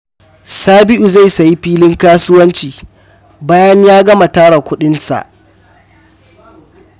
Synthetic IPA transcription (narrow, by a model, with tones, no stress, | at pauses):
saː˦bɪ˦ʔu˨za˦˨jsa˨ji˦ɸiː˦lɪ˦ŋkaː˦sʊ˦wɐ˦nt͡ʃiː˨ | baː˦jɐ˦ɲjaː˦ɡɐ˦ma˨taː˦ɽa˨kʷʊ˦ɗɪ˦nsa̰˨ʔ